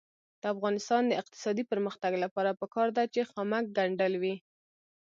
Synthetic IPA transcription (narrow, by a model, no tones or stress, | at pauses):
d̪̥əafɣɑnɪst̪ɑnd̪əɪq̚t̪ɪ̥sɑd̪ipəɾməxt̪aɡlapɑɾapəkɑɾd̪at͡ʃexamak̚ɡaɳɖəlwi